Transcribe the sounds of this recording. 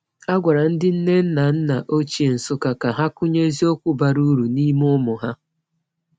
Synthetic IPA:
a˦ɡʷa˨ɾa˨n̩˦dɪ˦n̩˦ne˦n̩˦na˨n̩˦na˨ʔo˦t͡ʃi˦e˨n̩˨sʊ˦ka˨ka˨ɦa˦kʊ˦ɲe˦zi˦o˦kʷʊ˦ba˨ɾu˦ɾu˨ni˦mʊ˦mʊ˨ɦa˦

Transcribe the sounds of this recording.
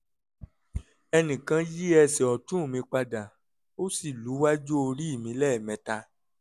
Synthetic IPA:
ɛ˧nĩ˨kã˧ji˦ɛ˧sɛ˨ɔ˨tũ˦˨mĩ˧k͡pa˧da˨ | o˦si˦˨lu˨˦wa˦d͡ʒo˦o˧ɾi˦i˦˨mĩ˧˦lɛ˦˨mɛ̃˨˦ta˧

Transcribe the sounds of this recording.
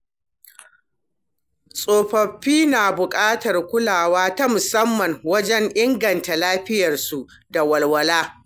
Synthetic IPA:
sʼoː˨ɸɐ˨ɸːiː˦naː˨bʊ˨kʼaː˦tɐ˨rkʷʊ˦laː˨waː˦ta˦mʊ˨sɐ˦mːɐ˨ŋwɐ˦d͡ʒɛ˦ŋʔɪ˦ŋɡɐ˨nta˨laː˦ɸɪ˦jɐ˨rsu˨ʔ | da˨wɐ˨lwɐ˨laː˦

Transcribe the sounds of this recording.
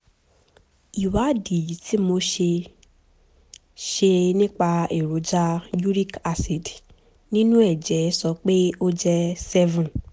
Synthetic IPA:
i˨wa˨˦di˨ti˨˦mo˧ʃe˧ | ʃe˧nĩ˦k͡pa˧e˨ɾo˨˦d͡ʒa˦ju˦ɾi˦ka˧si˨d | nĩ˦nũ˦ɛ˦˨d͡ʒɛ˨˦sɔ˧k͡pe˦o˦d͡ʒɛ˧sɛ˦vũ˨

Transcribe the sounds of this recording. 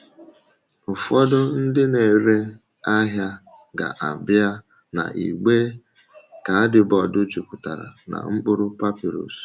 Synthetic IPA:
ʊ˨fɔ˦dʊ˦n̩˦dɪ˦ne˨ɾe˦ | a˦ɦja˦ | ɡa̰˨ʔa˨bja˦ | na̰˨ʔḭ˨ɡ͡be˦ | ka˨a˦dɪ˨bɔ˨dʊ˦t͡ʃu˨kʊ˨ta˨ɾa̰˨na̰˨ŋ͡m̩˦k͡pʊ˦ɾʊ˦pa˦pi˨ɾo̰˨s

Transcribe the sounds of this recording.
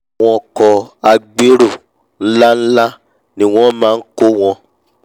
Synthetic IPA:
w̃ɔ̃˧kɔ˧a˧ɡ͡be˦ɾu˦˨ | n̩˦la˦n̩˦la˦ | nĩ˧w̃ɔ̃˦mãː˦˧n̩˦ko˦w̃ɔ̃˧

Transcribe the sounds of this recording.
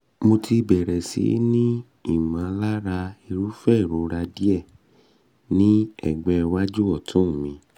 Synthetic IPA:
mo˧tʰi˧bɛ˨ɾɛ˨sḭ˨˦nĩ˦ | i˦˨mã˨˦la˦ɾa˧i˧ɾu˦fɛ˦˨ɾo˨˦ɾa˧di˦ɛ˦˨ | nĩ˦ɛ̰˦˨ɡ͡bɛ˧wa˦d͡ʒu˦ɔ˦˨tʰũ˦˨mĩ˧˦

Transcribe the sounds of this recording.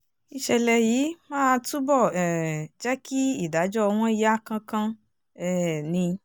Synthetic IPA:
i˧ʃɛ˧lɛ˧ji˨˦mãː˦tu˦bɔ˦˨ɛ˨d͡ʒɛ˦ki˦i˦˨da˨˦d͡ʒɔ˦˧w̃ɔ̃˦i˦˧ja˦˨kã˧kã˧ | ɛ˦nĩ˧

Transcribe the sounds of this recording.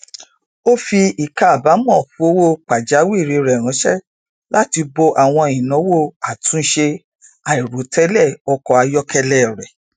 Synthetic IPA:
o˦fi˧i˨ka˧˨a˨ba˨˦mɔ̃˦˨fu˧˦o˦wo˦˨k͡pa˨d͡ʒa˨˦wi˦˨ɾi˨˧ɾɛ˨ɾã˨˦ʃɛ˦ | la˦ti˧bo˧ʔa˨w̃ɔ̃˧ĩ˨nɔ̃˨˦wo˦˨a˨tũ˨˦ʃe˧ | a˨i˨ɾo˨˦tɛ˦lɛ˦˨ɔ˧kɔ˧a˧jɔ˦kɛ˧lɛ˦˨ɾɛ˨

